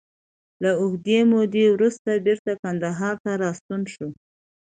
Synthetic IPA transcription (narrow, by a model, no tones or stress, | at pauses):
laʊhd̪emod̪ewɾust̪abeɾt̪akand̪aɦɑɾt̪aɾɑst̪unʃo